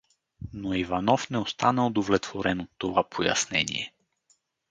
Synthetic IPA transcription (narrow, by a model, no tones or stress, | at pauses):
noivanɔfnɛost̪anəod̪ovlɛt̪voɾɛnot̪ːovapʰoja̰snɛ̰nḭɛ̰